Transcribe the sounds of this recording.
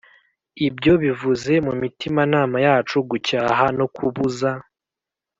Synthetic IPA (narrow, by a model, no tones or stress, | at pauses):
ibjo̞βivuze̞mumitimanaːmajaːt͡ʃuɡucaːɦano̞kʰuβuza